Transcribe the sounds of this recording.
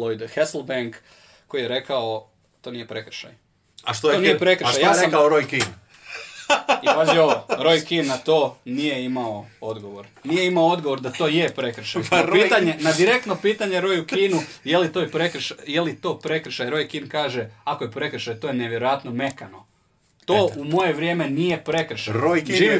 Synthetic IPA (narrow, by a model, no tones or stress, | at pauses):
lˠojd̪xesl̩ˠbeŋk | ko̞jijeɾe̞kao | t̪o̞ːnije̞pɾe̞kɾ̩ʃa̰j | aʃt̪oonjepɾekɾʃʃajaɾekaoɾojkin | iaziooɾo̞jkinːat̪o̞ːnije̞imaood̪ɡo̞ʋo̞ɾnije̞imaoo̞d̪ɡoʋo̞ɾd̪at̪o̞ːjepɾekɾ̩ʃajpiːt̪aɲenad̪iɾe̞k̚t̪no̞piːt̪aɲeɾo̞jukinujelit̪ojepɾekɾʃajelit̪o̞ːpɾe̞kɾ̩ʃajɾo̞jkinkaːʒeakojepɾe̞kɾ̩ʃajt̪o̞ːjeneʋjeɾo̞jat̪no̞me̞kano̞ | t̪oːʔumo̞jeʋɾʲjeme̞nije̞pɾe̞kɾ̩ʃaɾojʒiːi